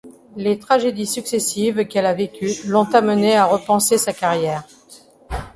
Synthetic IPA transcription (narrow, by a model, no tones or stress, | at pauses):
let̪χaʒed̪isyksesivkɛlavekʲylɔ̃t̪aməneaʁəpɑ̃sesakaʁjɛːʁ